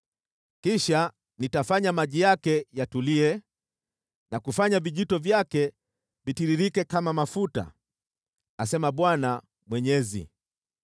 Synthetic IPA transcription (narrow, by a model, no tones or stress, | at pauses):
kiʃa | nitafaɲamaʄijakɛjatuliɛ | nakufaɲaviʄitɔvjakɛ | vitiɾiɾikɛkamamafuta̰ | asɛmaɓwana | mwɛɲɛzḭ